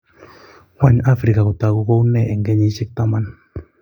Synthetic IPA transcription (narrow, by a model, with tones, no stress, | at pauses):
hwa˦ɲa˦fɾi˨ka˨ko˨t̪a˨ku˦ko˦u˦nɛ˦˨ʔɛ˨ŋɡɛ˦ɲi˦ʃi˦k̚t̪a˦ma˦˨n